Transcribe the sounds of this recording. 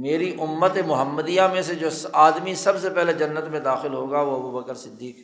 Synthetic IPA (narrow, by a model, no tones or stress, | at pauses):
meːɾiʔʊmːət̪emʊɦəmːəd̪ijamẽsed͡ʒoːaːd̪misɐbsepɛɦled͡ʒɐnːət̪mẽd̪aːxɪlɦoːɡaʋoɐbuːbəkəɾsɪd̪ːiːk